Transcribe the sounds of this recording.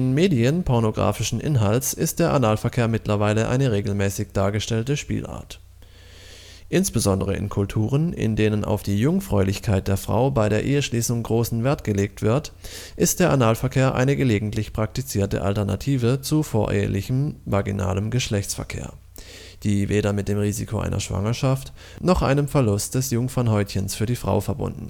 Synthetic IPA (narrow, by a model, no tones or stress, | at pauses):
ɪnmeːdiənpʰɔɐnoɡʁa̰ːfɪʃn̩ʔɪ̰nɦalt͡sɪstd̥eːɐʔanaːlfɛɐkʰeːɐmɪtlɐvaɪləʔa̰ɪnəʁeːɡl̩mɛːsɪçd̥aːɐɡəʃtɛltəʃpḭːlʔa̰ːɐt | ʔɪnsb̥əzɔndəʁ̞əʔɪ̰nkʰʊltʰuːʁ̞ənɪ̰ndeːnənʔa̰ʊfd̥iːjʊŋfʁ̥ɔʏlɪçkʰaɪt̚d̥eːɐfʁ̥a̰ʊbaɪɾeːɐʔeːəʃliːsʊŋɡʁoːsn̩vɛːɐtɡ̥əleːk̚tv̥ɪɐt | ʔɪstd̥eːɐʔanaːlfɛɐkʰeːɐʔa̰ɪnəɡəleːɡŋ̩tlɪçpʁ̥ak̚tit͡siːɐtə̰ʔa̰ltɛɐna̰tʰiːvət͡sufoːɐʔḛːə̰lɪçm̩vaɐɡina̰ːləmɡəʃlɛçt͡sfɛ̰ɐkʰḛːɐ | d̥iːveːɾɐmɪt̚d̥eːmʁiːzikʰoʔa̰ɪnɐ̰ʃv̥a̰ŋɐʃaft | nɔχʔa̰ɪnəmfɛɐlʊstd̥ɛsjʊŋfɔnhɔʏtçənsfyːɐdiːfʁ̥a̰ʊfɛɐbʊ̰ndn̩